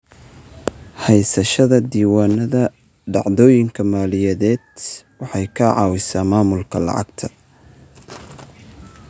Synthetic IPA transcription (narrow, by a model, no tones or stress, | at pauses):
hɛjsɐʃɐðɐd̪iːwaːnɐðɐ | ɖɑʕd̪ɔːjɪŋkʰɐmaːlɪjɐðɛːd̪wɑħɑjkʰɐʕɑ̰ːwɪsaːmaːmʊlkʰɐlɑ̰ʕɑ̰ɡt̪ʰɐ